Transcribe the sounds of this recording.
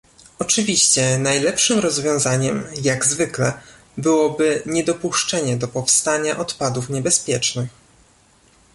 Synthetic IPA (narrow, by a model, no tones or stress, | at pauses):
ɔt͡ʂɘvʲiɕt͡ɕɛnajlɛpʂɘmɾɔzvʲjɔ̃w̃zaɲɛmjaɡzvɘklɛ | bɘwɔbɘɲɛd̪ɔpuʂt͡ʂɛɲɛd̪ɔpɔfst̪aɲaʔɔt̪pad̪ufɲɛbɛspʲjɛt͡ʂnɘx